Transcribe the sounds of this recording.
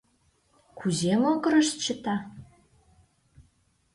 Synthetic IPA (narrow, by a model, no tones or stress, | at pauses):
kʰuzemokɤɾəʃt̪t͡ɕə̆t̪ɑ